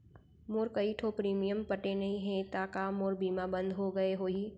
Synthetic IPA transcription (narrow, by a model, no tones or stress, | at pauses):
moːɾkɐiʈʰoːpɾiːmijəmpəʈenɐɦĩɦɛ̃t̪aːkaːmoːɾbiːmabə̃nd̪ʱɦoɡɐeɦoːiː